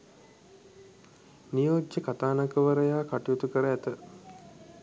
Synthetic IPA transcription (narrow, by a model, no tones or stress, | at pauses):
nijoːd͡ʒjəkat̪aːnakəʋəɾəjaːkaʈijot̪ukəɾəæt̪ə